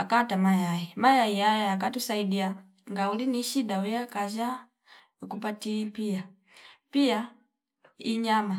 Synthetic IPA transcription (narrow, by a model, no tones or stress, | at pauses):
akatamajaimajaijajɛak̬atusaidia | ŋɡauliniʃidawujakad͡ʒa | ukupatipia | pia | iɲama